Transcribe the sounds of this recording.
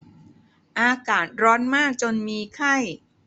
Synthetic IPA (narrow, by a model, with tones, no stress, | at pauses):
ʔaː˧kaː˨˩˦t̪̚ɾɔː˦˥nmaː˥˩k̚t͡ɕo˧nmiː˧kʰa˥˩j